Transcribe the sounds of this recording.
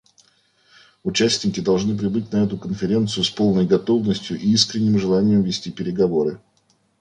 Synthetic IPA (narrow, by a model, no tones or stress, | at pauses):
ʊt͡ɕæsʲtʲnʲɪkʲɪd̪ɐlˠʐnɨp̬ɾʲɪbɨtʲnɐɛt̪ʊkənfʲɪɾʲe̞nt̪sɨjʊspo̞lˠnəjɡɐt̪o̞vnəsʲtʲjʊʔiiskɾʲɪnʲːɪmʐɨlˠanʲɪjɪmvʲɪsʲtʲipʲɪɾʲɪɡɐvo̞ɾɨ